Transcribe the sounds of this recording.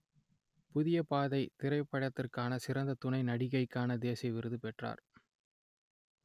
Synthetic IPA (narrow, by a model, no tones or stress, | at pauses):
pʊðɪjɐpaːðɐɪt̪ɪɾɐɪpːɐɻɐt̪ːɪrkaːnɐsɪɾɐnd̪ɐt̪ʊnɐɪnɐɽɪɣɐɪkːaːnɐd̪eːsɐɪʋɪɾɯðɯpɛʈra̰ːɾ